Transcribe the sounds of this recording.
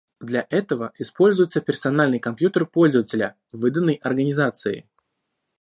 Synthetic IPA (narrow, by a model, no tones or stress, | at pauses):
d̪lʲaʔɛt̪əvəɪspo̞lʲzʊjɪt̪səpʲɪrsɐnalʲnɨjkɐmpjut̪ərpo̞lʲzəvətʲɪlʲə | vɨd̪ənːəjʔɐrɡənʲɪzat̪sɨɪ̰